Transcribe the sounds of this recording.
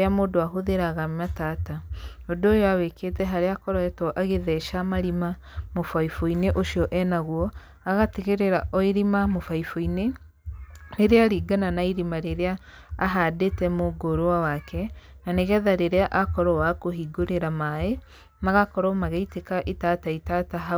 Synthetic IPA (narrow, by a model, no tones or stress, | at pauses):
eamoːdoaɦoðeɾaɣamataːta | odoːjɔawekʰetɛɦaɾeakɔɾɔɛtɔʔaɣeðɛʃamaɾima | mofaifoineʔoʃiɔʔɛnaɣwɔ | aɣateɣeɾeɾaʔɔiɾimamofaifoine | neɾeaɾiːɡananaiɾimaɾeɾeaː | ɦadetɛmoɡoɾowawakɛ | naneɣɛðaɾeɾeaʔakɔɾɔwakoɦiɡoɾeɾamae | maɣakɔɾɔmaɣeitekaʔetaːtaitataɦa